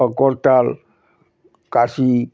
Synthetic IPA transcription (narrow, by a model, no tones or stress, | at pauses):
akort̪al | kasi